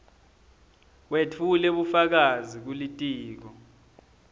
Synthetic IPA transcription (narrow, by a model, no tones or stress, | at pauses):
wetʰulɛɓufak̬azik̬ulitʼiːk̬ɔ